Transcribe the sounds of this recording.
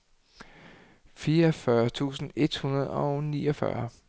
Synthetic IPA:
fiːɐfɶɐt͡sʰṵːsn̩e̝d̥hunɐð̞ˠɒ̽ʊnḭːɒfɶ̰ɐ

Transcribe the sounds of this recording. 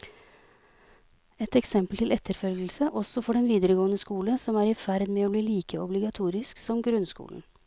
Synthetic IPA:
ɛt̪ɛksɛmpəlt̪ɪlɛt̪ʰːəɾfœlɡəl̩səʔɔsɔfɔɖɛnʋiːd̪əɾəɡoːənəskuːləsɔmæːɾɪfæɾd̪meːoːbliːliːkəɔblɪɡɑt̪ʰuːɾɪsksɔmɡɾʉnskṵːln̩

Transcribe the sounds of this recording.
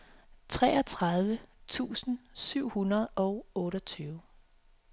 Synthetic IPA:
t͡sʰʁɛːɒt͡sʰʁɑð̞ˠʋət͡sʰṵːsn̩syʊ̰hunɐð̞̩ˠɒ̽ʊɔ̽ːɾɒt͡sʰyːʊ

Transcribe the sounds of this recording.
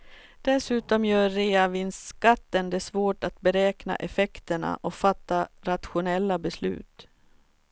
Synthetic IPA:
d̪̥ɛsʉ̟ːt̪ɔmjœːeːavɪnskat̪ːənd̪ɛsvoːʈat̪bɛɾɛːkna̰ʔɛfɛkt̪əɳa̰ʔɔfat̪ːaɾat̪ɧʊnɛlːabɛslʉ̟̰ːt̪

